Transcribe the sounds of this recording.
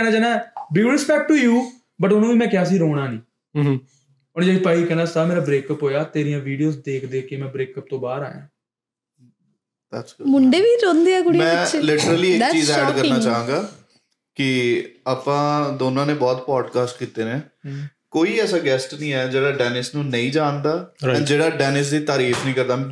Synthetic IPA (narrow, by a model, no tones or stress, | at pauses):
ɛnaːd͡ʒaːnaːbiɾɪspɛːk̚ʈʈuːjuː | bəʈʊnõːʋiːmɛ̃ːkjaːs̬iːɾoːɽ̃aːnĩː | ʊnd͡ʒaːipaːiːkɛːnaːsaːmeːɾaːbɾeːkəpɦoːjaːt̪eːɾijãːʋiːɖijoːsd̪eːkʰd̪eːkeːmɛ̃ːbɾeːkəp̚t̪õːbaːɾa̰ːjã̰ː | d̪ɛːsmʊɳɖeːʋiːɾõːnd̪eːɛːɡʊɽimɛ̃ːlɪʈəɾəliːɪkt͡ʃiːzɛːɖkəɾnaːt͡ʃaːɦãːɡaː | kɪaːpãːd̪oːnãːneːbɔːt̪pɔːɖkaːsʈ̚kiːt̪eːneː | koːiːɛːsaːɡɛːsʈnĩːɛːd͡ʒeːɽaːɖɛːnɪsnũːnəĩːd͡ʒaːnd̪aːɛ̃ːd͡ʒeːɽaːɖɛːnɪsd̪iːt̪aːɾiːfʰnəĩːkəɾd̪ãː